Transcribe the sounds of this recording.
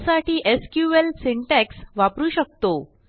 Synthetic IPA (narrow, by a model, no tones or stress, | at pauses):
saʈʰiːʔeskjuʋelsiɳʈɛksʋapɾuːɕək̚t̪o